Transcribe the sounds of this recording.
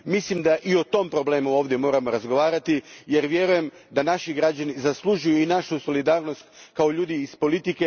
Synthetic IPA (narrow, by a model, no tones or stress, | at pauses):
mislimd̪aʔio̞t̪o̞mpɾo̞ble̞ːmuo̞ːʋd̪je̞mo̞ːɾamo̞ɾazɡo̞ʋaːɾat̪ije̞ɾʋje̞ɾuje̞m | d̪anaʃiɡɾad͡ʑanizaslˠuʒujuinaʃuso̞lid̪aːɾno̞st̪kao̞ʎuːd̪iːspo̞lit̪ike̞